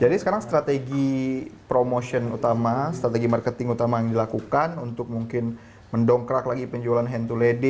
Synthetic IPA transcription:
d͡ʒadisə̥kaɾaŋst̪ɾat̪eɡipɾomoʃənut̪amast̪ɾat̪eɡimarkət̪ɪŋut̪amajaŋdilakukanunt̪ʊk̚muŋkɪn | məndɔŋkɾaklaɡipəɲd͡ʒualanɦɛnt̪uledɪ

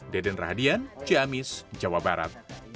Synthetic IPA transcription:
dɛdɛnrahadiant͡ʃiamisd͡ʒawabaɾa̰t̪̚

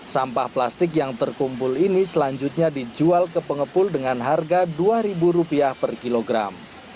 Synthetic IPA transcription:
sampahplast̪ɪkjaŋt̪ərkumpʊlinisəlaɲd͡ʒʊt̪̚ɲadid͡ʒualkəpəŋəpʊldəŋanɦarɡaduaɾibuɾupiahpərkiloɡɾa̰m

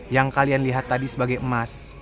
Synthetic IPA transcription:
jaŋkalianliɦat̪ːadisəbaɡajəmas

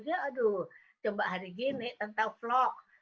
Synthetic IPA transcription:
d͡ʒaːdu | t͡ʃəmbaʔɦaɾiɡinɪʔt̪ənt̪aŋflɔk̚

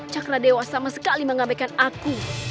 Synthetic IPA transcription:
t͡ʃakɾadewasamasəkaliməŋabajkanaku

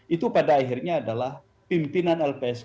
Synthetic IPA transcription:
it̪upadaːɦirɲaːdalah | pimpinanɛlpeɛs

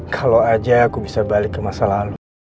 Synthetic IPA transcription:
kʰaload͡ʒaakubisabalikːəmasalaɦalu

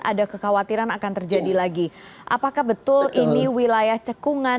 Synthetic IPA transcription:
ʔa̰dakəxawat̪iɾanakant̪ərd͡ʒadilaɡiʔa̰pakahbət̪ʊlʔiniwilajaht͡ʃəkuŋa

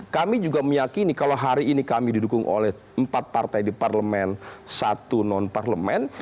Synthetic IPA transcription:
kamid͡ʒuɡaməjakinikaloɦaɾiːnikamididukʊŋʔo̰lɛh | əmpat̪̚part̪ajdiparləmɛnsat̪unɔnparləmɛn

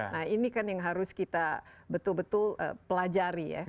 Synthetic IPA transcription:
nahinikanjaŋɦaɾʊskit̪abət̪ʊlbət̪ʊlə̰pəlad͡ʒaɾija̰

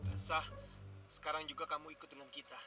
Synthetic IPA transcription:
təəsahsə̥kaɾaŋd͡ʒuɡakamuikʊt̪̚dəŋankit̪a

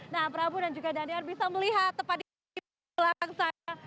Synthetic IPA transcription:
napəɾabudand͡ʒuɡadiadearbisaməliɦat̪ːəpadi | i | əlaaŋsaa

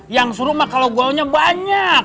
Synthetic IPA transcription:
jaŋsuɾumakaloɡuauɲabaɲak̚

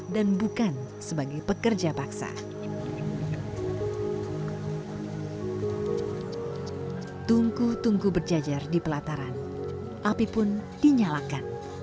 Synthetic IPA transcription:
danbukan | səbaɡajpəkərd͡ʒapaksa̰ | t̪uŋkut̪uŋɡubərd͡ʒad͡ʒardipəlat̪aɾan | ʔapipʊndiɲalakan

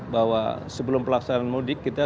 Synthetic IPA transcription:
bawa̰səbəlʊmpəlaksananmudɪkːit̪a

